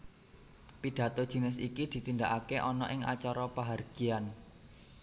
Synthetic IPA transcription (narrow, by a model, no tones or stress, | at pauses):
piɖ̥ä̤t̪od̥ʒ̥i̤nɪsikid̪̥i̤t̪ind̪aʔakeʔɔnɔʔɪŋa̰t͡ʃɔɾɔpaɦarɡ̥i̤an